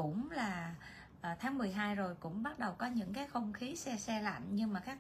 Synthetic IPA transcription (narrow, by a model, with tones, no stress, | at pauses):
ʊ̰˧˥ŋ͡mlaː˨˩ | ʔəː˨˩t̪ʰaː˨˦ŋmɨ˨˩əjɦaː˧jzo˨˩jkʊ̰˧˥ŋ͡mɓa˦˥t̚ɗə˨˩wkɔ˨˦ɲɨ̰˧˥ŋkaː˨˦jxə˧wŋ͡mxi˨˦sɛ˧sɛ˧la̰˧˨jŋ̟ɲɨ˧ŋmaː˨˩kaː˦˥k̚